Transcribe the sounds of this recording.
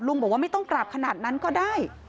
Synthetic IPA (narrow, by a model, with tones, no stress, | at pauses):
lu˧ŋbɔː˨˩k̚wa˥˩ma˥˩t̪ɔ˥˩ŋkɾaː˨˩p̚kʰa˧naː˨˩t̪̚na˦˥nkɔː˥˩daː˥˩j